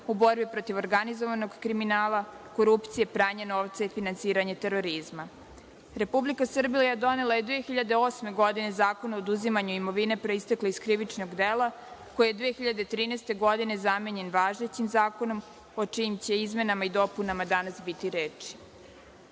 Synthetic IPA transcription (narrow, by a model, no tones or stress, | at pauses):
ubo̞ɾbipɾo̞t̪iʋo̞ɾɡanizoʋano̞ɡkɾiminaːlˠako̞ɾupt̪sije̞pɾaːɲeno̞ːʋt̪saifinansiːɾaɲet̪e̞ɾo̞ɾizma | ɾe̞publikasr̩bijjad̪o̞ne̞lˠaje̞d̪ʋeːxiʎad̪eoːsme̞ɡo̞d̪ine̞zaːko̞naod̪uzimaɲuimo̞ʋine̞pɾo̞ist̪ekleiskɾiʋit͡ʃno̞ɡd̪eːlˠa | ko̞jijed̪ʋeːxiʎad̪et̪ɾiːnest̪e̞ɡo̞d̪ine̞zameɲe̞nʋaːʒet͡ɕimzaːko̞no̞m | o̞t͡ʃiimt͡ɕe̞izme̞namaid̪o̞punamad̪anasbit̪iɾeːt͡ʃi̥